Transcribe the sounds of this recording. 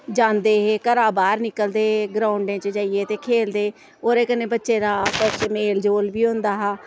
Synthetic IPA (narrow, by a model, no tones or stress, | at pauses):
d͡ʒãːnd̪eːɦeːkəɾaːbaːɾnɪkəld̪eːɦɡɾaːʊɳɖẽːt͡ʃəd͡ʒaːieːt̪eːkʰeːld̪eː | oːɾeːkəneːbətːʃeːd̪aːpət͡ʃːmeːld͡ʒoːlbiːɦʊ̃nd̪aːɦaː